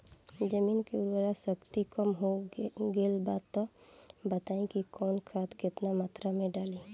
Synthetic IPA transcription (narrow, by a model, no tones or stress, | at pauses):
d͡ʒəmiːnkeuɾəɾasəkt̪ikəmɦoɡelbaːd̪t̪ːɔbət̪aːĩkikɔːnkʰat̪kɪt̪namat̪ɾamẽɖaːli